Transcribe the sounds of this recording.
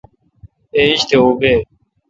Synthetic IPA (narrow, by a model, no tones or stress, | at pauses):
eːiɕt̪ʰeːoːɡeː